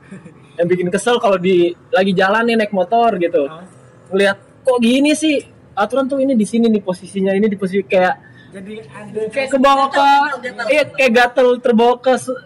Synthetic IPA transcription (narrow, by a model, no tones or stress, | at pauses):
jaŋbikɪnkəsəlkalodilaɡid͡ʒalanːɪnaɪk̚mot̪ɔrɡit̪u | ŋəliɦat̪̚koʔɡinisɪh | at̪uɾant̪ʊinidisininiposisiɲainidiposiskajaʔ | kakəbokəakajaʔɡat̪əlt̪ərbokəs